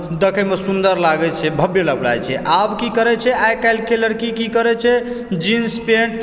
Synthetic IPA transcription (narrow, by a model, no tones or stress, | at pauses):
d̪ekʰəmesund̪əɾlaɡɛt͡ʃʰɛbʱəbjeləɡla̰jt͡ʃʰɛʔabkikəɾɛt͡ʃʰɛajkajlkeləɽkikikəɾɛt͡ʃʰɛ | d͡ʒinspeɳʈ